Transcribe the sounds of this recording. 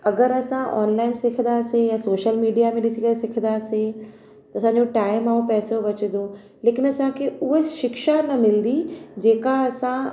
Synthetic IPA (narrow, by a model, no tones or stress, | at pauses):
ɐɡəɾɐsãʔɔ̰ːnlaːɪnsɪk̪ʰd̪aːsẽjãsoːʃəlmiːɖijamẽɗɪsikəesɪk̪ʰd̪aːsẽ | t̪ɐsãːɲd͡ʑoʈaːɪmaːõpɛːsoʋɐt͡ɕəd̪o | leːkɪnɐsãkʰeʊɦeʃɪkʃanɐmɪld̪id͡ʑeːkaɐsã